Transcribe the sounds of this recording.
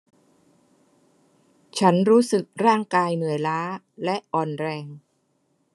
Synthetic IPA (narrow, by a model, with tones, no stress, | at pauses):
t͡ɕʰa˦˥nɾuː˦˥sɯ˨˩k̚ɾaː˥˩ŋkaː˧jnɯ˨˩˦əjlaː˦˥ | lɛ˦˥ʔɔː˨˩nɾɛː˧ŋ